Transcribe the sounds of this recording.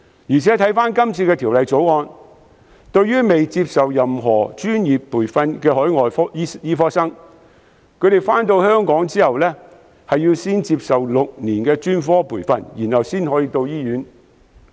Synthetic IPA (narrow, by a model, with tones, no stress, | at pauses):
jyː˨˩t͡sʰɛ˨˥t̪ʰɐ˨˥jfaː˥nkɐ˥mt͡sʰiː˧kɛː˧t̪ʰiː˨˩wlɐ˨jt͡so˨˥wŋɔː˧n | t̪ɵ˧ɥyː˥me˨jt͡siː˧p̚sɐ˨wjɐ˨mɦɔː˨˩t͡ʃyː˥njiː˨pːuː˨˩jfɐ˧nkɛː˧hɔː˨˥jŋɔː˨jfɔ˥jiː˥jiː˥fɔː˥ksɐ˥ŋ | kʰɵ˨˧ɥɾe˨˩jfaː˥nt̪o˧whœː˥ŋkɔː˨˥ŋt͡siː˥hɐ˨wlɛː˥ | hɐ˨jiː˧wsiː˥nt͡siː˧p̚sɐ˨wlʊ˨k̚niː˨˩nkɛː˧t͡ʃyː˥nfɔː˥pʰuː˨˩jfɐ̰˧njiː˨˩nhɐ˨wsiː˥nɦɔː˨˥jiː˧t̪o˧wjiː˥jyː˨˥n